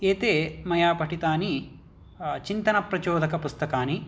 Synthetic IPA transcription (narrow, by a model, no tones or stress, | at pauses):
eːt̪eːmɐjaːpɐʈit̪aːni | t͡ʃint̪ɐnɐpɾɐt͡ʃoːd̪ɐkɐpust̪ɐkaːni